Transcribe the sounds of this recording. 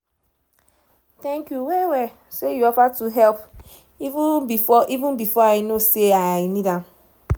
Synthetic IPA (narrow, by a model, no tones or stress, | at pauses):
tɛ̃ŋkjuwewe | sejuɔpatuɦɛlp | iʔivũn̩bifɔajɪnoseaajɪnidam